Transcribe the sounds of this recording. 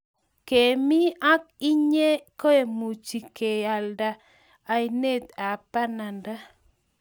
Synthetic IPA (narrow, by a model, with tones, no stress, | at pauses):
ke˨mi˦a˦k̚i˦ɲe˦ko˦e˨mu˨t͡ʃi˨ke˨a˨lda˨ | a˨i˨ne˦˨t̪a˨pa˦na˨nda˦